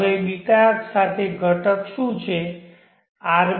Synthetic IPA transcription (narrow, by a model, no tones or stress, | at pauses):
eɓikaksat̪ʰeɡʱəʈəkʃũt͡ʃʰe | aɾ